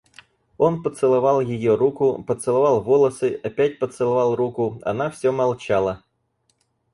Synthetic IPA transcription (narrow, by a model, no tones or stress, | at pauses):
onpət̪sɨlˠɐvalˠjɪjoɾukʊpət̪sɨlˠɐvɑlˠvolˠəsɨɐpʲætʲpət̪sɨlˠɐvɑlˠrukʊɐ̰nafsʲomɐlˠt͡ɕalˠə